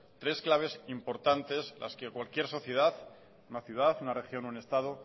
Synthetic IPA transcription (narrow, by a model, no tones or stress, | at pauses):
t̪ɾe̞sklaβ̞e̞simpo̞ɾt̪ant̪e̞zla̰ske̞kwalkje̞ɾso̞θje̞ð̞að | unaθjuð̞aθunare̞xjo̞noene̞st̪að̞o